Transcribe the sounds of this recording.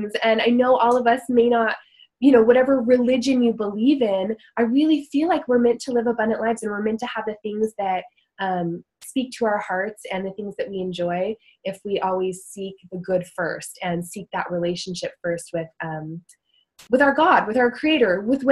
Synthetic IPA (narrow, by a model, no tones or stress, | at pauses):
zɨ̃naɪnoʊʔɔlˠʌvʌsmeɪnət̚ | jɨñoʊwʌɾɛvə˞ɹilɪd͡ʒɨ̃njɨbəlivɪ̃nʔaɪɹɪlˠifilaɪkwɪɹmɛ̃ntʰəlɪvəbʌ̃ndɨ̃nʔlaɪvzɨ̃nwɪɹmɛ̃ntʰɨəvðɨθɪ̃ŋzðɨt̚ | ʌ̃m | spik̚tʰəaʊə˞hɑɹtsɨ̃nðɨθɪ̃ŋzðɨʔ̚wiɨ̃nd͡ʒɔɪɪfwiʔɔlˠwiz̥sik̚ðɨɡʊd̥fɜ̰˞stɨ̃nsik̚ðə̰ʔ̚ɹileɪʃn̩ʃɪpfɜ˞st̚wɪð̥ʌ̃m | wɨðaʊə˞ɡɑd̚wɨðaʊə˞kʰɹ̥ieɪɾə˞wɨðw